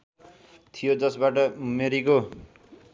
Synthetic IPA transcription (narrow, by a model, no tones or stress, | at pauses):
t̪ʰijod͡zʌsbaʈʌmeɾiko